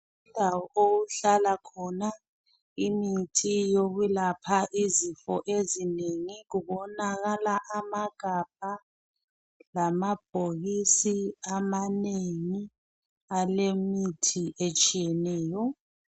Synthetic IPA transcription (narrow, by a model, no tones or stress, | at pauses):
indʱawɔʔoɣuɬalakʰɔna | imitʰijoɣulapʰaʔizifɔ̰ʔezineŋiɣuβɔnaɣalaʔamaɡ̥ʱab̥̚ʱa | lamab̥ʱoɣisiamaneŋi | alemitʰiʔet͡ʃʼijɛnɛːjɔ